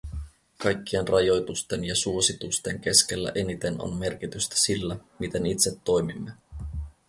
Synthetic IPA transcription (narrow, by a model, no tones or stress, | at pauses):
kɑjkʲːie̞nrɑjo̞jt̪ust̪e̞njɑsuo̞sit̪ust̪e̞ŋk̟e̞ske̞lːæ̰ʔe̞nit̪e̞no̰nme̞rk̟it̪yst̪æ̥silːæmit̪e̞nit̪set̪ːo̞jmimːe